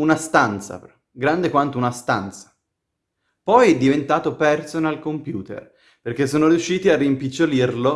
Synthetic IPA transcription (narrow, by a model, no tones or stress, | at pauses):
unast̪ant̪sa̰p | ɡɾand̪ekwant̪ounast̪ant̪sḁ | pɔjɛd̪ːivent̪aːt̪opɛrsonalkompjuːt̪ḛr | perk̟esːoːnoɾjuʃːiːt̪iarːimpit͡ʃːolirlo